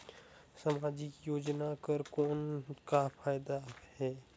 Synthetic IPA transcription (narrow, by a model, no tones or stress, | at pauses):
samaːd͡ʒikjoːd͡ʒnakəɾkɔːnkapʰaːjd̪ahɛː